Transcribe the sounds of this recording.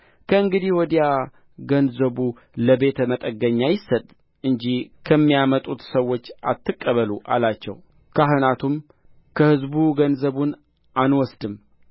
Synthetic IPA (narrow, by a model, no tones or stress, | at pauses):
kʰəɨŋɡɨd̪ihwɔd̪ja | ɡənzəβu | ləbe̞t̪ʰəmət̪ʼəɡːəɲːajɪsːət̪ʼ | ɨɲd͡ʒihkʰəmːijamət̪ʼut̪səwːo̞t͡ʃːʔat̪ʰːɨkʼːəβəluʔa̰lat͡ʃːɛ̰w | kʰaɦɨnat̪ʰum | kʰəhɨzbuɡənzəβun | anwɔsd̪ɨm